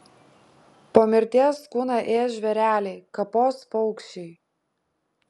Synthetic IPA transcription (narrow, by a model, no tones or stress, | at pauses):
poːmʲɪɾʲt̪ʲiɛskuːnɑʔeːʒʲʋʲɛɾʲæːlʲɛɪkɐpoːspɔʊkʃʲɛɪ